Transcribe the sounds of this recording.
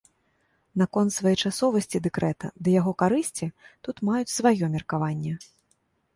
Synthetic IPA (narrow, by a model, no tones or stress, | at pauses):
nɐkɔnt̪svajɛjt͡ʂasɔvɐsʲt͡sʲid̪ɛkɾɛt̪ɐ̰d̪ɐjaɣɔkaɾɨsʲt͡sʲit̪ut̪majut͡sʲsvajɔmʲɛrkavanʲːɛ